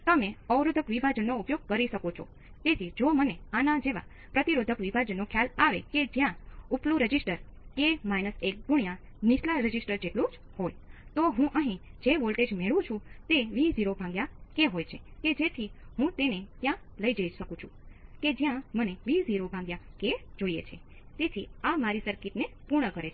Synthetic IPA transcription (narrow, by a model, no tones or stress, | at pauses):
t̪əmẽəʋɾod̪ʱəkʋibʱad͡ʒənːoupjoɡ̚kəɾiʃəkot͡ʃʰo̰ | t̪et̪ʰid͡ʒoməneanad͡ʒeʋa̰ | pɾət̪iɾod̪ʱəkʋibʱad͡ʒənːokʰjalaʋḛked͡ʒjãuplũɾəd͡ʒisʈəɾkemajnəsek̚ɡʱuɳjã | nislaɾəd͡ʒisʈəɾd͡ʒeʈlũd͡ʒ | hojt̪oɦũʔəɦĩd͡ʒeʋolʈed͡ʒmeɭũt͡ʃʰũt̪eʋiziɾobʱãŋɡjakeɦojt͡ʃʰeked͡ʒet̪ʰiɦũt̪enet̪jãləid͡ʒəiʃəkũt͡ʃʰũked͡ʒjãməneʋiziɾobʱãŋɡjaked͡ʒoijḛt͡ʃʰe | t̪et̪ʰiamaɾisəɾkiʈnepuɾɳəkəɾet͡ʃʰe